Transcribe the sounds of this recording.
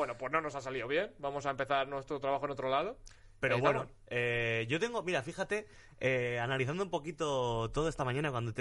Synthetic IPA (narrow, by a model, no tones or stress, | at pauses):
wenopwe̞snonosasaliðoβje̞nbamo̞saempe̞θaɾnwe̞st̪ɾot̪ɾaβaxonot̪ɾolað̞o | pe̞ɾoβweno | eʝo̞t̪e̞ŋɡo̞miɾafixat̪e̞ | eanaliθand̪oumpo̞kit̪o̞t̪oðoe̞st̪amãɲãnakwand̪ot̪